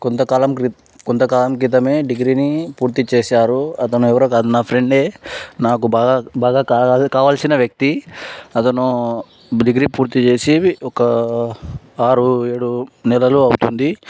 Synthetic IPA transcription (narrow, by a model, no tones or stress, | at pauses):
kont̪ɐkaːlɐmkɾi | kont̪ɐkaːlɐmkɾit̪̬ɐme̞ːɖiɡɾiːnipuːɾt̪it͡ʃeːsaːɾuɐt̪ɐnuɛʋɐɾɐːkaːd̪unaːpʰɾeɳɖe̞ːnaːk̬ubaːbaːɡaːkaːkaːʋaːlsinɐʋjɐk̚t̪iɐt̪ɐnu | ɖiɡɾiːpuːɾt̪it͡ʃe̞ːsiɔkɐ | aːɾue̞ːɽunɛlɐluɐwt̪und̪i